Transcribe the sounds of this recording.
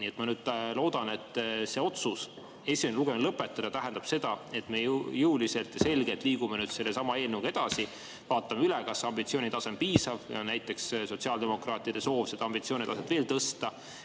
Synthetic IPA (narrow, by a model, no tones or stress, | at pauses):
niːet̪mɑnyːd̪̥̚lo̞ːd̪̥ɑne̞t̪ːˑse̞ːo̞t̪sus | e̞sienluɡ̥emlɤpːˑet̪ːˑɑd̪̥ɑt̪æɦend̪ɑb̥se̞d̪̥ɑe̞t̪ːˑme̞jjuulise̞lt̪jɑse̞lɡet̪ˑliːɡumenyːd̪̥se̞lːe̞sɑmɑeːlnuɡ̥ed̪̥ɑsi | vɑːt̪ːˑɑmeylɛkɑsɑmbit̪sio̞ːnit̪ɑse̞mpiːsɑvjɑ̰næjt̪ːˑe̞ksso̞t̪siɑld̪e̞mo̞krɑːt̪ːˑid̪̥e̞so̞ːvset̪ɑɑmbit̪sio̞ːnʲit̪ɑset̪ve̞ːlt̪ɤst̪ɑ